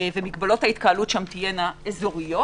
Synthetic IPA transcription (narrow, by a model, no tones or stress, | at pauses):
vemiɡbalo̞thait̪̚kaːlutʃamt̪ijenaezoʁijo̞